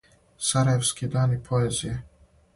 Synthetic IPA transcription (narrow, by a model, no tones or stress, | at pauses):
saɾajefskid̪aːnjepʰoezije